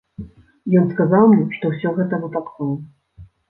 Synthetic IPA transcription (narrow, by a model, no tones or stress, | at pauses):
jɔnskazawmnʲɛʂt̪ɔwsʲɔɣɛt̪ɐvɨp̪aklɔlˠ